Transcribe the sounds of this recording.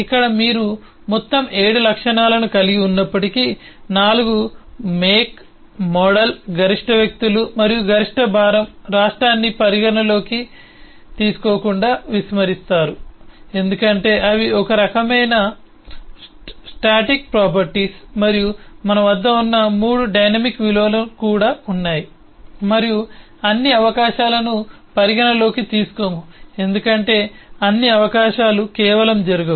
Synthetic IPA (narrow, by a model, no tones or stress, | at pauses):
ikːɐɽɐmiːɾu | mɔt̪ːɐme̞ːɽulɐkʂɐɳaːlɐnukɐliɡiunːɐpːɐʈiki | naːluɡumeːk | mɔːɽɐlɡʱɐɾiʂʈɐʋjɐk̚t̪ulumɐɾijuɡʱɐɾiʂʈɐbʱaːɾɐmɾaːʂʈɾaːnːipɐɾiɡɐnɐlo̞ːki | t̪iːsu̥ko̞ːkuɳɖaːʋismɐɾist̪aːɾue̞nd̪ukɐɳʈe̞ːʔɐʋiɔkɐɾɐkɐmɐjnɐ | sʈaːʈik̚pɾaːp̬ɐɾʈiːsmɐɾijumɐnɐʋɐd̪ːɐunːɐmuːɽuɖɐjnɐmikʋiloːlɐkuːɽaːunːaːji | mɐɾiju | ɐnːiɐʋɐkaːʃaːlɐnu | pɐɾiɡɐɳɐlo̞ːkit̪iːsu̥komue̞nd̪ukɐɳʈe̞ːɐnːiɐʋɐkaːʃaːlukɛːʋɐlɐmd͡ʒɐɾuɡɐ